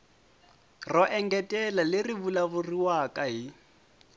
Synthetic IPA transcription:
rɔʔɛŋɡɛtʼɛlalɪriβulaβʊriwakʼaɦi

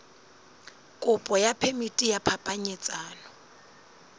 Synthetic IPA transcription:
kʼʊpʼɔjapʰemitʼijapʰapʼaɲɛt͡sʼaːnɔ

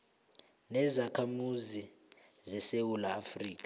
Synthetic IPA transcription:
nɛzakʰamuzi | zɛsewulaːfriːk̬ʼḁ

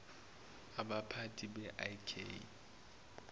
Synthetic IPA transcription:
abapʰatʼibɛʔaikʰḛ

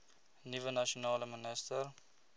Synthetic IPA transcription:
nivənaʃionɑːləmənəstər

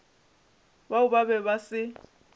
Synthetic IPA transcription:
baʊbabɛbasɪ

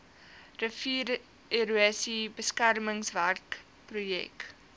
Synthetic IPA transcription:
rəfiːr | eɾuɛsibəskærməŋsværk | prujɛ̰k

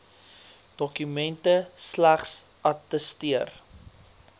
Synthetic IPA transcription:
d̥ɔkymɛntəslæχs | ʔɐtəstiər

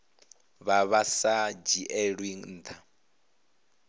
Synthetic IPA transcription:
βaβasad͡ʒiʔɛɺwiŋn̩d̪ʰa

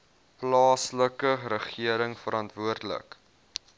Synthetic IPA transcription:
plɑːsləkəɾəχiəɾəŋfəɾɐntvuərdələ̰k

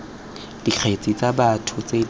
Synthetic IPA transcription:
d̥ik͡xʰet͡sʼit͡sabatʰʊt͡sed

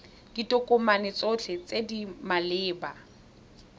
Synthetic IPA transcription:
d̥itʼɔkʼʊmanɪt͡sʼot͡ɬʰet͡sʼedimalɪːba

